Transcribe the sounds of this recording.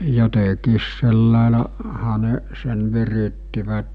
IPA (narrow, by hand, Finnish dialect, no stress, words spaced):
jotekiːs selːɑˑelɑ hɑ ne sen ʋiritːiʋæt